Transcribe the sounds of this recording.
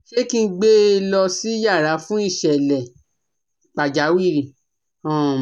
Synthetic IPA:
ʃe˦kĩ˧˦ɡ͡be˦˧˦lɔ˧si˦ja˦˨ɾa˨˦fũ˦i˦˨ʃɛ˨lɛ˨ | k͡pa˨d͡ʒa˨˦wi˦˨ɾi˨ | ɔ̃˦˨

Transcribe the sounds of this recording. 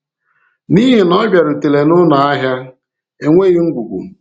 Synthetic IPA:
ni˦ɦe˨nɔ˦bja˨ɾʊ˨te˨le˨nʊ˦na˨a˦ɦja˦ | e˨ŋʷe˦ɣi˦ŋ̩˦ɡʷu˨ɡʷṵ˨

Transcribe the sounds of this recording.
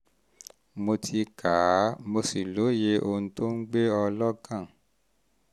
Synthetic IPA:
mo˧tʰi˧kʰa˨˦mo˧si˨lo˨˦je˧ʔo˧˨nũ˧to˦ŋ̩˦ɡ͡be˦ɔ˧lɔ˦ɡã˦˨

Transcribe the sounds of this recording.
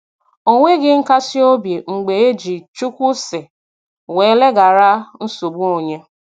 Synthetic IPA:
o˨ŋʷe˦ɡɪ˦ŋ̩˦ka˦sɪ˦o˦bi˨ŋ͡m̩˨ɡ͡be˨e˦d͡ʒi˨t͡ʃu˦kʷu˦sɪ˨ | we˨˦le˦ɡa˨ɾa˦n̩˦so˨bu˦o˨ɲe˦

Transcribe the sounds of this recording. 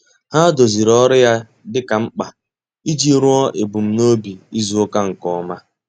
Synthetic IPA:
ha˦do˨zi˨ɾɔ˦ɾɪ˦ja˦ | dɪ˦ka˨ŋ͡m̩˦k͡pa˨ | i˦d͡ʒi˦ɾʊ˦ɔ˦ʔe˨bu˨m̩˦no˦bi˨i˦zu˦o˦ka˦ŋ̩˨kɔ˦˨ɔ˦ma˦

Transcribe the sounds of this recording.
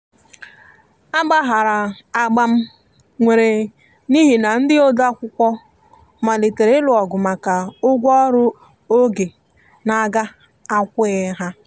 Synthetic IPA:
a˦ɡ͡ba˦ɦa˨ɾa˨ | a˨ɡ͡ba˦m̩˦ | ŋʷe˨ɾe˨ | ni˦ɦi˨na˨n̩˦dɪ˦o˦da˦kʷʊ˦kʷɔ˦ | ma˨le˨te˨ɾe˨˦lʊ˨ɔ˨ɡʊ˨ma˨ka˨ʊ˦ɡʷɔ˦ɾʊ˦ | o˦ɡe˨ | na˨˦˨ɡa˦ | a˦kʷʊ˦e˦ɦa˦

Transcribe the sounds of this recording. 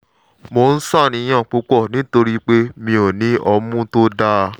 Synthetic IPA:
mo˨n̩˦sa˦˨nĩ˨˧˦j̃ã˦˨k͡pu˧˦k͡pɔ˦˨nĩ˨˦to˧ɾi˦k͡pe˦mĩ˧o˨nĩ˨˦ʔɔ˧mũ˦to˦da˦˧

